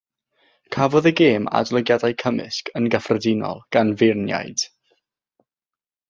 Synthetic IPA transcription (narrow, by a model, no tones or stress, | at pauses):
kʰavɔðəɡeːma̰dlˠəɡjadajkʰəmɪ̰skənɡəfrədɪnɔ̰lˠɡ̥anvɪrnja̰jd̥